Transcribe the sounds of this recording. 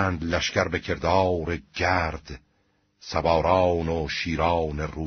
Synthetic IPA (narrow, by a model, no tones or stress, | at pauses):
nd̪læʃcæɾbecʰe̞ɾd̪ɑːɾeɟæɾd̪̥ | sæbɑːɾɑːnoʃiːɾɑːwneruː